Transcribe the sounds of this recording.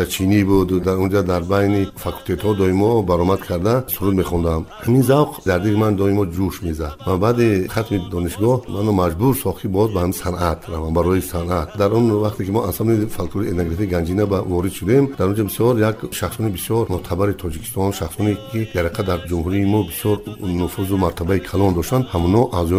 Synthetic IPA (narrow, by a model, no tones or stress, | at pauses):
t͡ʃʰinibud̪d̪aɾund͡ʒad̪aɾbajnifakʰult̪ʰet̪hɔd̪ɔimɔbaɾɔmad̪kʰaɾd̪asuɾud̪meχɔnd̪amhaminzawqʰd̪aɾd̪iɾimand̪ɔimɔd͡ʒuʃmezad̪vabad̪eχat̪mid̪ɔniʃɡɔhmanɔmad͡ʒbuɾsɔχt̪ibɔzbahamisanʔat̪ʰɾavambaɾɔjisanʔat̪d̪aɾunvaχt̪ʰekimɔʔansamnifalkt̪ʰuɾiet̪naɡɾafiɡand͡ʒinabavɔɾid̪ʃud̪emd̪aɾund͡ʒabisjɔɾjakʃaχsɔnibisjɔɾmɔt̪ʰabaɾit̪ʰɔd͡ʒikʰi̥st̪ɔnʃaχsɔnikʰid̪aɾiqʰad̪aɾd͡ʒumhuɾiːmɔbisjɔɾnufuzumaɾt̪ʰabaikʰalɔnd̪ɔʃt̪and̪hamunɔʔazɔ